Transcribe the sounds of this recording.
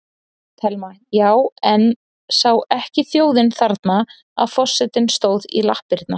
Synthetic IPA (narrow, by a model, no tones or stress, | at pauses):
t̪ʰɛlma | jaːwɛn | saːwɛhcɪθjoːwðɪnθaɾt̪na | a̰ðfɔsːɛt̪ɪnst̪oːwðḭlahpɪɾt̪na